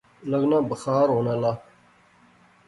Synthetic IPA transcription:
ləɡnãːbəxaːɾɦoːnaːlaː

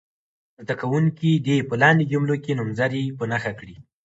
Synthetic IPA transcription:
zd̪akawuŋkid̪epəlɑnid͡ʒʊmlokenʊmzaɾipənaxakɽi

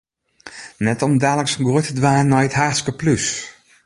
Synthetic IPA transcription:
nɛtɔmdaːləksnɡutədʋaːnːɔjətɦaːskəplys

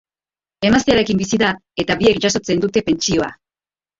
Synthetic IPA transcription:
e̞mast̪eaɾe̞kimbisiðae̞t̪aβie̞kʝaso̞t͡se̞nd̪ut̪e̞pe̞nt͡ʃio̞a̰

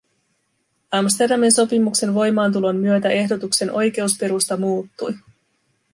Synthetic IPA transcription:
ɑmst̪e̞rdɑminso̞pimukse̞nʋo̞jmɑːnt̪̬ulo̞nːyøt̪æʔe̞hdo̞t̪ukse̞nʔo̞jk̟e̞uspe̞ɾust̪ɑmuːt̪ːuj

